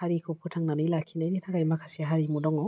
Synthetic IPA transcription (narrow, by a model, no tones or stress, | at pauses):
haɾikʰopʰutʰaŋnanɯjlakʰinajditʰakajmakʰasiaɦaɾimudɔŋɔ